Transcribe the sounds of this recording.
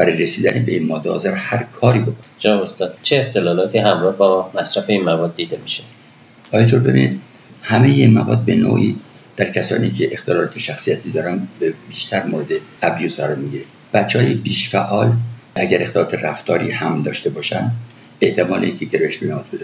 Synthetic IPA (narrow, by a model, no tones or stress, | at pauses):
b̥æɾɒjɾesiːd̪ænibeinmɒːd̪ɒɒ̰zæɾhæɾkʰɒːɾiːbe̞kʰoned͡ʒenɒbost̪ɒd̪̥t͡ʃʰeːxt̪ʰe̞lɒːlɒːt̪ʰiːɦæmɾɒːhbɒmæsɾæfeinmævɒːd̪̚ːiːd̪emiʃe | ʔɒːjet̪ʰoɾbe̞bḭnḭd̪ | hæmejeiːnmæ̰vɒːd̪̚be̞no̰ːʔiː | d̪̥æɾcʰæsɒ̰ːniːcʰeʔːxt̪ʰelɒlɒːt̪ʰeʃæxsijæt̪ʰiːd̪ɒːɾænbebiːʃt̪ʰæɾmoɾe̞d̪eæbjuːzɢæɾɒɾmiɟiːɾe | b̥æt̪t͡ʃːehɒjebiːʃfæʔɒːl | æɟæɾʔext̪elɒːt̪ʰeræft̪ʰɒːɾiːhæmd̪ɒːʃt̪e̞bɒːʃænd̪ | eht̪ʰe̞mɒːleiŋkʰeɟeɾɒjeʃbenæɒːt̪̚bed̪e